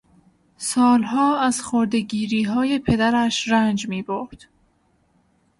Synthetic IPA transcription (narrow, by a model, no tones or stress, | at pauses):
sɒːlɦɒːæz̥xoɾd̪e̞ɟiːɾiːɦɒːje̞pʰe̞d̪æɾæʃɾænd͡ʒmiːboɾd̪̥